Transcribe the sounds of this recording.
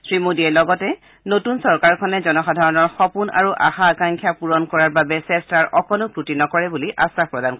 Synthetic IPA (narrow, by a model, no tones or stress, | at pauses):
sɹimodiɛlɔɡɔtɛ | notunsɔɹkaɹkʰɔnɛzɔnɔxadʱaɹɔnɔɹxɔpuna̰ɹuʔa̰xaːkaŋkʰjapuɹɔnkɔɹaɹbabɛsɛstaɹʔɔkʰɔnʊkɹutinɔkɔɹɛbuliʔa̰sapɹɔdank